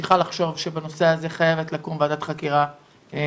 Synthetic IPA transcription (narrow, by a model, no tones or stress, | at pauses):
iχalaχʃo̞vʃebano̞seaze̞χajevet̪lakumvead̪at̪χakiʁa